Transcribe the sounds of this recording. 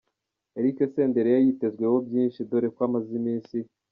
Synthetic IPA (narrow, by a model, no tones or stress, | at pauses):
eɾikese̞ːnde̞ɾejajite̞zɡwe̞wo̞bjiːnʃidoɾekwaːmazimiːnsi